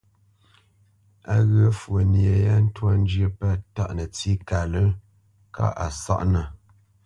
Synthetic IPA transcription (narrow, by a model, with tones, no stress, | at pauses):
a˦ɣə˦fwə˨njə˨ja˦n̩˦twa˦n˦d͡ʒjə˦pə˦ta̰˦˨ʔnə˨t͡si˦ka˨lə˦ | ka̰˦ʔa̰˨sa̰˦ʔnə˨